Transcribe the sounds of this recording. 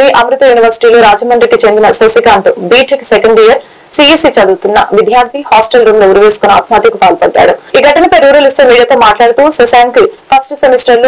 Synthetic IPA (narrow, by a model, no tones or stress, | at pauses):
niʔɐmɾut̪ɐjuːniʋɐɾsi̥ʈiːloːɾaːd͡ʒɐmɐnd̪ɾikit͡ʃe̞nd̪inɐsɐsikaːnt̪ubiːʈiksekɐɳɖijɐɾ | siisit͡ʃɐd̪uːt̪unːɐ̰ʋid̪ʱjaːɾt̪ʰihaːsʈelɾuːmloːuɾuʋeːsu̥kuna̰ːt̪maːt̪jɐkupaːlpɐɖːa̰ːɽuiːɡɐʈːɐnɐpɐjɾuːɾɐlist̪eːmiːɽijaːt̪o̞ːmaːʈlaːɽut̪uːsɐsaːŋkipʰɐsʈsemisʈɐɾloː